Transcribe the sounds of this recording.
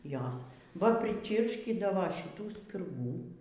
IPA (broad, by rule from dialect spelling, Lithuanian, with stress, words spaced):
ˈjoːs ʋɐ pʲrʲɪˈt͡ʃʲiːrʲʃʲkʲiːdɐʋoː ʃʲɪˈtuː sʲpʲɪrˈɡuː